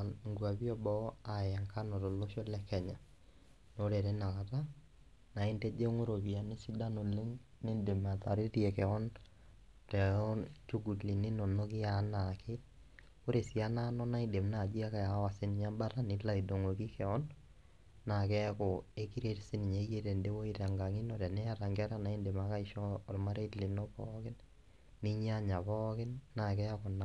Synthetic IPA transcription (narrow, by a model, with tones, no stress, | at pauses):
ŋɡwa˨bi˦ɔ˦bɔ˦a˨ja˨ŋkʰa˦nɔ˨to˨lo˦ʃo˦lɛ˦kɛ˨ɲa˨ | no˦ɾe˨ɾe˦na˨ka˨ta˦ | na˨i˦ntɛ˦d͡ʒe˦ŋo˦ɾo˨bi˨a˨nɪ˦si˦da˦no˨le˦ŋ | ne˦nde˨ma˨ta˨ɾɪ˦ɾjɛ˨kɛ˨ɔ˦n | tɛ˨ɔ˦t͡ʃu˦ɡu˨tli˨nɪ˦no˨no˦kɪ˦a˨˦na˨kʰɪ˦ | ʊ˦ɾe˨sia˦na˦nɔ˦na˦ide˨mna˨d͡ʒi˦a˦ka˨ja˨˦wa˨sɪ˦nɪ˨ɲa˦mba˦ɾa˦nɪ˦la˨i˨do˨ŋo˨ki˦kɛ˨ɔ˦nː | a˨kɛ˦kɔ˨e˦ki˦ɾe˦tsɪ˦ni˨ɲa˨˦je˦ɾɛ˨nde˦wo˦i˦ɾa˨ŋɡa˨ŋɪ˦nɔ˨ɾɛ˨nɛ˦a˦˨ɾa˨ŋɡa˦ɾa˦na˨i˦nde˨ma˨ka˦ɪ˨ʃɔ˦ɔ˨lma˦ɾe˦tli˨nɔ˦pɔ̰˦kɪ˦n | nɪ˦ɲ˦a˦ɲa˨pɔ˦kɪ˦nːa˨k̬ɛ˦kɔ˨na˨